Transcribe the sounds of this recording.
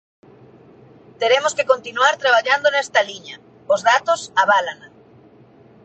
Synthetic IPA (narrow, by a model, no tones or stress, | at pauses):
t̪eɾemoskekont̪inuaɾt̪ɾaβ̞aʎand̪onɛst̪aliɲa | ozðat̪osaβalana